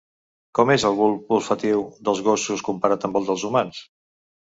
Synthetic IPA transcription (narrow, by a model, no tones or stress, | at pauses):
kɔmezəlˠɣulˠpulˠfət̪iwd̪əlˠzɣosuskumpəɾat̪əmbəlˠd̪əlˠzumans